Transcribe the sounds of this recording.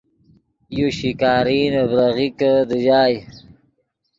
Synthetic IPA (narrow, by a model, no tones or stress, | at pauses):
juɕikaːɾiːnəbɾaɣikəd̪əʑaːj